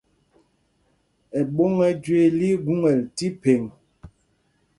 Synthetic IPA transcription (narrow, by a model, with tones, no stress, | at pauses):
ɛ˨ɓo˦ŋɛ˦d͡ʒwe˦li˦ɡu˦ŋɛ˨lti˦pe˨ŋ